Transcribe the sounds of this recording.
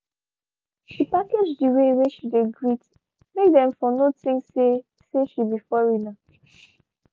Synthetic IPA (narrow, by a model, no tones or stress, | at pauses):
ʃipaked͡ʒdiweweʃideɡɹit | mekdɛ̃mfɔnotĩŋe | seʃibifɔɹina